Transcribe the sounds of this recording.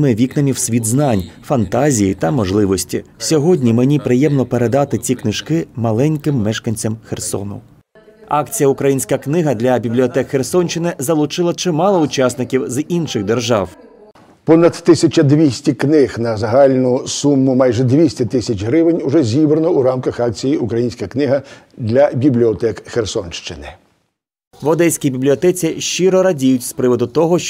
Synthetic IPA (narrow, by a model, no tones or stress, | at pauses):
mɪʋʲiknɐmʲiwsʲʋʲid̪znɑnʲfɐnt̪ɑzʲijit̪ɐmɔʒlˠɪʋɔsʲtʲḭsʲɔɦɔdʲnʲimenʲipɾɪjɛmnɔpeɾe̞d̪ɑt̪ɪt͡sʲiknɪʃkɪmɐlˠɛnʲkɪmːɛʃkɐnʲt͡sʲɐmxersɔ̰nʊ̰ | ɑkt͡sʲijɐʊkɾɐjinʲsʲkɐknɪɦɐd̪lʲɐbʲiblʲiɔt̪ɛkxersɔnʲt͡ʃɪnɪzɐlˠʊt͡ʃɪlˠɐt͡ʃemɑlˠɔʊt͡ʃɑsnɪkʲiwzinʃɪɣd̪erʒɑw | pɔnɐt̪ːɪsʲɐt͡ʃɐd̪ʋʲisʲtʲiknɪxnɐzɐɦɑlʲnʊsumːʊmɑjʒɛd̪ʋʲisʲtʲɐt̪ɪsʲɐt͡ʃʲɦɾɪʋɪnʲʊʐɛzʲibɾɐnɔuɾɑmkɐxɑk̚t͡sʲijiukɾɐjinʲsʲkɐknɪɦɐ | d̪lʲɐbʲiblʲiɔt̪ɛkxersɔnʃt͡ʃɪnɪ | ʋɔd̪ɛjsʲkʲibʲiblʲiɔt̪ɛt͡sʲiʃt͡ʃiɾɔɾɐdʲijʊtʲspɾɪʋɔd̪ʊt̪ɔɦɔ